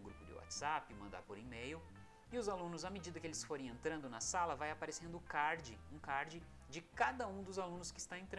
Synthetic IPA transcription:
ɡɾupʊd͡ʒ̪ɪ̰wa̰t͡ʃ̪z̥apɪmɐ̃d̪a̰ɾpoɾimejʊ | ɪʊzalũnʊzɐmed͡ʒid̪ɐkɪelɪsfoɾẽj̃ẽnt̪ɾɐ̃nd̪ʊnɐsalɐvajapaɾesẽnd̪ʊkaɾd͡ʒɪũkaɾd͡ʒɪ | d͡ʒɪkad̪ɐũd̪ʊzalũnʊskɪːst̪aẽnt̪ɾ̃

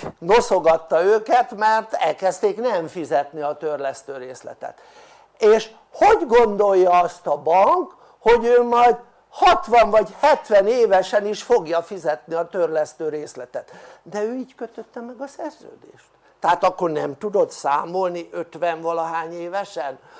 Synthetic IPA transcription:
no̞so̞ɡɒt̪ːɒøːkɛt̪mɛrt̪ɛ̰lkɛst̪eːknɛɱfizɛt̪niɒt̪ørlɛst̪øːɾeːslɛ̰t̪ɛ̰t̪ | eːʃ | ho̞ɟɡo̞nd̪o̞jːɒɒst̪ɒbɒŋk | ho̞ɟøːmɒjd̪ | hɒt̪ʋɒɱvɒɟhɛt̪ʋɛneːvɛʃɛniʃfo̞ɡjɒfizɛt̪niɒt̪ørlɛst̪øːɾeːslɛt̪ɛt̪d̪ɛøːiːɟkøt̪øt̪ːɛmɛɡɒsɛrzø̰ːd̪ḛːʃt̪ːɛɦaːt̪ɒkːo̞rnɛmt̪ud̪o̞t̪saːmo̞lniʔø̞t̪ʋɛɱvɒlɒɦaːɲeːvɛʃɛn

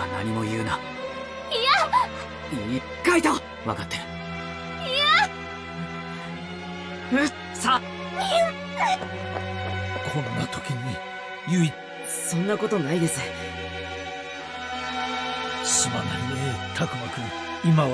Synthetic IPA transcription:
na̰ɲ̟imo̞jɯːna | ia | iɲʲi | kait̪a | βa̰kat̪ːe̞ɾɯ̥ | ia | sa | kʰõnːa̰t̪ʰo̥kʲiɲi | jɯi | sõ̞nːako̞t̪o̞naid̪e̞sɨ | ɕimanaɾʲiet̪ʰakɯ̟makɯ | ima

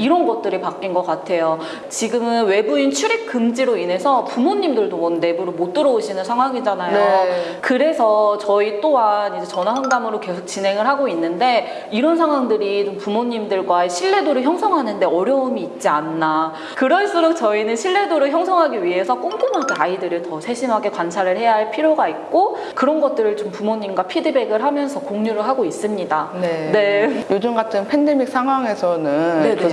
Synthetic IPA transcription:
iɾʌnɡʌt̚t͈ɯɾipak͈inɡʌk͈atʰe̞jo | t͡ɕiɡɯmɯnwe̞buint͡ɕʰuɾik͈ɯmd͡ʑiɾoinɦe̞sʰʌpumoɲːimdɯɭdonne̞buɾɯmot͈ɯɾʌuɕʰinɯnsʰaŋɦwaŋid͡ʑanajokɯɾe̞sʰʌt͡ɕʌit͈oanid͡ʑet͡ɕʌnaɦaŋdamɯɾoke̞sʰok̚t͡ɕ͈ine̞ŋɯɭɦaɡoinːɯnde̞ | iɾʌnsʰaŋɦwaŋdɯɾiompumoɲːimdɯɭɡwaeɕʰiɭːe̞doɾɯɭçjʌŋsʰʌŋɦanɯnde̞ʌɾjʌumiːt̚t͡ɕ͈ianːa | kɯɾʌɭs͈ɯɾok̚t͡ɕʌinɯnɕʰiɭːe̞doɾɯɭçjʌŋsʰʌŋɦaɡiɥiɦe̞sʰʌk͈oŋɡumɦaɡeaidɯɾɯɭtʌsʰe̞ɕʰimɦaɡe̞kwant͡ɕʰaɾɯɭhe̞jaɦaɭpʰiɾjoɡait̚k͈o | kɯɾʌnɡʌt̚t͈ɯɾɯɭt͡ɕompumoɲimɡwapʰidɯbe̞ɡɯɭɦamjʌnsʰʌkoŋɲuɾɯɭɦaɡois͈ɯmɲidanene̞jod͡ʑumɡatʰɯnpʰe̞nde̞mik̚s͈ʰaŋɦwaŋe̞sʰʌnɯne

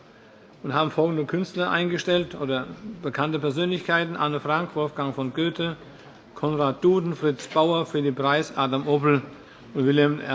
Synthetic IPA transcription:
ʔʊnthaːbm̩fɔlɡŋ̩dəkʰʏnstlɐʔa̰ɪnɡəʃtɛltʔoːdɐb̥əkʰantəpʰɛɐzøːnlɪçkʰaɪtn̩ʔanəfʁ̥aŋkv̥ɔlfɡ̥aŋfɔnɡ̥øːtʰə | kʰɔnʁaːt̚d̥uːdn̩fʁ̥ɪt͡sb̥aʊɐfyːɐdiːpʁ̥aɪsʔaːdamʔoːpl̩ | ʊntvɪlɛmɛ

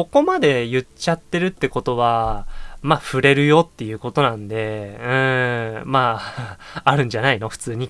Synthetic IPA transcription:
ko̞ko̞mad̪e̞jɯ̟t͡ɕat̪ːe̞ɾɯ̟t̪ːe̞ko̞t̪o̞βa | maɸɯ̟ɾe̞ɾɯ̟jo̞t̪ːe̞jɯ̟ːko̞t̪o̞nãnd̪e̞ɯ̟̃ːma | aɾɯ̟̃ɲ̟d͡ʑanaino̞ɸɯ̟̥t͡sɨːɲ̟i

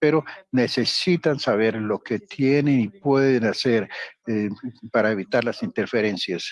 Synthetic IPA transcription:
pe̞ɾo̞ne̞se̞sit̪ansaβ̞e̞ɾlo̞ke̞t̪je̞nenipwe̞ðenase̞ɾepaɾaeβit̪aɾlasint̪e̞ɾfe̞ɾe̞nsjas

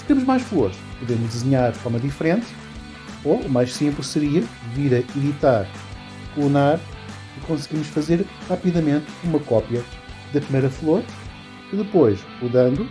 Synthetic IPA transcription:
sɨ̥t̪emuʒmajʃflˠoɾʃpuðemuʒd̪ɨzɨɲaɾðfɔɾmɐðifɾẽnt̪ | oumajʃsĩmplˠɨsɨɾiɐviɾɐiðit̪aɾ | lˠunaɾ | ikõsɣimuʃfɐzeɾʁapiðɐmẽnt̪umɐkɔpjɐ | ðɐpɾimejɾɐflˠoɾ | iðɨpojʃ | uðɐ̃nd̪u

